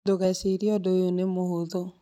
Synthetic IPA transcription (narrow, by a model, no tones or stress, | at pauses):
doɣaseɾiɔdɔjonemohoðɔ